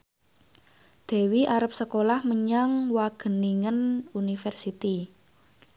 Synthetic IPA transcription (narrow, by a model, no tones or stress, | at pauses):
d̪̥ɛ̤wiʔaɾəp̚səkolahməɲaŋwaɡ̥ə̤niŋənunifɛrsit̪i